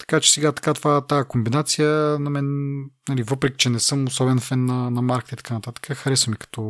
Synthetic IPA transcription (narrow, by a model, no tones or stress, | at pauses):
t̪ɐ̥kat͡ʃɛ̥sɛɡat̪ɐ̥kat̪ovat̪ajəkombinat̪sijənɐmɛnnɐlivɤpɾɛki̥t͡ʃɛnɛsɤmosɔbɛnfɛnːɐnɐmaɾkt̪əit̪ɐ̥kanɐt̪at̪ə̥kəxɐɾɛsvɐmikɐ̥t̪ɔ